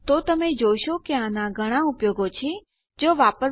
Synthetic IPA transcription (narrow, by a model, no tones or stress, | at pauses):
t̪ot̪əmẽd͡ʒoʃokeãnaɡʱəɽ̃aupjoːɡot͡ʃʰi | d͡ʒoʋaːpəɾ